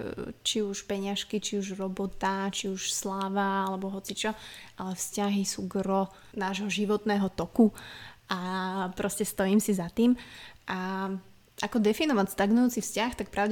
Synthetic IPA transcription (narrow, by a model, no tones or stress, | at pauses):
t͡ʃiuʃpɛɲɪaʃkit͡ʃiuʒɾɔbɔt̪at͡ʃiuʃslaːʋaalɛbɔɦɔt͡sit͡ʃɔʔalɛfscaɦisuːɡɾɔ | naːʒɦɔʒiʋɔt̪nɛːɦɔt̪ɔkuʔapɾɔscɛst̪ɔjiːmsizat̪iːmʔa | ʔakɔd̪ɛfinɔʋacst̪aɡnujuːt͡sifscaxt̪ak̚pɾʔaʊɟ